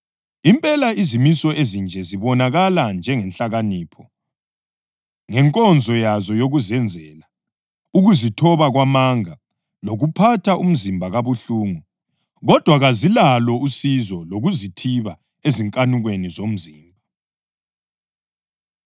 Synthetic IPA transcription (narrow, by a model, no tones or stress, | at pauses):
impʼɛlaizimisɔʔezind͡ʒʱɛziβɔnaɣaland͡ʒʱɛŋɛnɬaɣaniːpʰɔ | ŋɛŋkʼɔnd͡zʱɔjazɔjoɣuzɛnd͡zʱɛːla | uɣuzitʰɔβaɣwamaŋa | loɣupʰatʰaʔum̩zimbʱaɣaβuɬuːŋu | ɣɔd̥ʱwaɣazilalɔusizɔloɣuzitʰiβa | eziŋkʼanuɣwenizom̩ziːmbʱa